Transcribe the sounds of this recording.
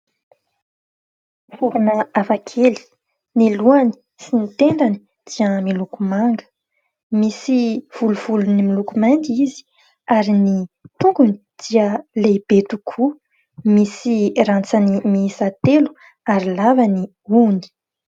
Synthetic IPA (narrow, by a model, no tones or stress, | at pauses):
fuɾunəavakʰeli̥ | niluani̥ | sinit̪eɳɖ͡ʐani̥ | d̪̥iəmilukumaŋɡə̥ | misiv̥uluv̥ulunimilukumand̪izi̥ | aɾinit̪uŋɡuni̥ | d̪̥iəleb̥et̪ukʰu | misirant͡sanimiisat̪elu̥ | aɾilavani | uni̥